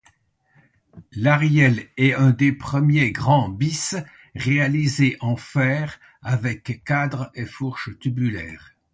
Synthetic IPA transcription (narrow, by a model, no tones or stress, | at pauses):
laʁjɛlɛɛ̃d̪epχəmjeɡʁɑ̃bis | ʁealizeʔɑ̃fɛːʁ | avɛkːad̪ʁefuʁʃt̪ybylɛ̰ːʁ